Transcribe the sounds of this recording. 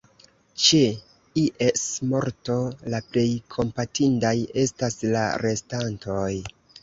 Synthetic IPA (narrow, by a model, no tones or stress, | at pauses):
t͡ʃe | iʔesmo̞ɾto̞laple̞jkʰo̞mpatindaje̞stasla̰ɾe̞stantʰo̞j